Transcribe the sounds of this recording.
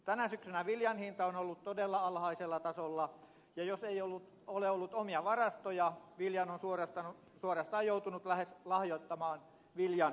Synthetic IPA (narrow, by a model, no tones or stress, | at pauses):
t̪ænæsyksynæʋiljɑnhint̪ɑonolːut̪t̪odelːɑɑlhɑiselːɑt̪ɑsolːɑ | jɑjoseijolːut̪ | oleolːut̪omiɑʋɑrɑst̪ojɑʋiljɑnonsuorɑst̪ɑnu | suorɑst̪ɑːjjout̪unut̪læheslɑhjot̪ːɑmɑːn | ʋiljɑn